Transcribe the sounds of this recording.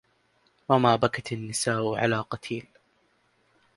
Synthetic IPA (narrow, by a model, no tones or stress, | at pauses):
wamaːbakat̪ɪnːɪsaːʔʕa̰laːqɑt̪ʰiːl